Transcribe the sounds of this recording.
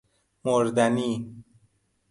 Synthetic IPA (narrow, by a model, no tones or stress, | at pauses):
moɾd̪æniː